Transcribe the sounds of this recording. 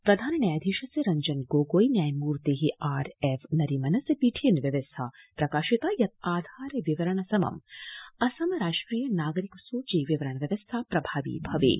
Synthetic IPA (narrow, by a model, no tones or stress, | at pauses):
pɾɐd̪ʱaːnɐnɐjad̪ʱiʃɐseɾɐɲd͡ʒɐnɡoːɡoːjnjaːjmuːɾt̪eːɦiaːɾefnɐɾimɐnɐsɐpiːʈʰjɐnʋjɐʋɐst̪ʰaːpɾɐkaːʃit̪aːjɐt̪̚aːd̪ʱaːɾʋiʋɐɾɐɳɐsɐmɐ̰mɐsɐmɾaːʂʈɾiːjɐnaːɡɐɾikɐsoːt͡ʃiːʋiʋɐɾɐɳɐʋjɐʋɐst̪ʰaːpɾɐbʱaːʋḭbʱɐʋḛː